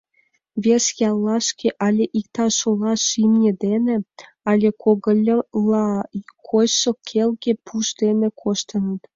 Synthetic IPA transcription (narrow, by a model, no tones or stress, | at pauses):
βʲesjɑlˠːɑʃkeʔɑlʲeʔik̚t̪ɑʃolɑʃimnʲed̪enĕ | ɑlʲekʰoɣəlʲlɑkʰojʃokʰelɣepʰuʃd̪enĕkʰoʃt̪ənə̆t̪